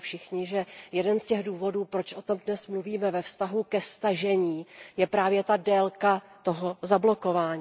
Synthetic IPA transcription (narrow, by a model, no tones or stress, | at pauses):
fʃɪxɲɪʒɛjɛdɛnscɛɣduːvo̞duːpɾo̞t͡ʃʔot̪o̞mdnɛsmluviːmɛvɛfst̪aɦukɛst̪aʒɛɲiːjɛpɾaːvjɛt̪adɛlkat̪oɦozablo̞ko̞vaːɲː